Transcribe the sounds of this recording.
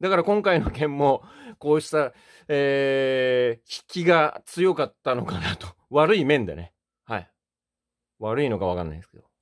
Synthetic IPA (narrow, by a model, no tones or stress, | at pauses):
d̪akaɾakõ̞ŋkaino̞kẽ̞mːo̞ko̞ːɕi̥t̪a | eː | çi̥kʲiɡat͡sɨjo̞kat̪ːano̞kanat̪o̥βaɾɯ̟imẽ̞nd̪ḛne̞ | hai | βaɾɯ̟ino̞kaβakanːa̰ĩd̪esked̪̥o